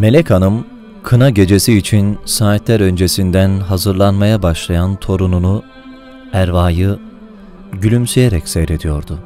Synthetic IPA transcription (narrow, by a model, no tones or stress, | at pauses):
me̞lʲɛcʰanɯm | kʰɯnaɟe̞d͡ʒe̞siːt͡ʃʰinsaːt̪lʲæɾø̞nd͡ʒe̞sind̪ænɦazɯɾlˠanmajabaʃlˠajant̪ʰo̞ɾununu | æɾvaːjɯ | ɟylʲymsejeɾɛcsejɾe̞d̪ijo̞ɾd̪ʊ